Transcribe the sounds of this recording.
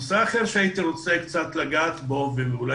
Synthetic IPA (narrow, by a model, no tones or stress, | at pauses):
seaχeɾʃeait̪iɾot͡sekt͡sat̪laɡaːt̪bo̞veveula